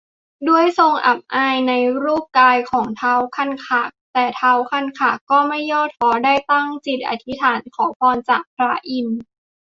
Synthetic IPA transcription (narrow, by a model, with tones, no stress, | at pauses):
du˥˩əjso˧ŋʔa̰˨˩p̚ʔaː˧jna˧jɾuː˥˩p̚kaː˧jkʰɔː˩˦ŋt̪ʰaː˧wkʰa˥˩˨nkʰaː˨˩k̚t̪ɛː˨˩t̪ʰaː˧wkʰa˥˩nkʰaː˨˩kːɔː˥˩ma˥˩jːɔː˥˩t̪̚ʰɔː˧˥daː˥˩jt̪a˥˩ŋt͡ɕi˨˩t̪̚ʔa̰˨˩t̪ʰi˦˥t̪ʰaː˩˦nkʰɔː˩˦pʰɔː˧nt͡ɕaː˨˩k̚pʰɾa˦˥ʔi˧n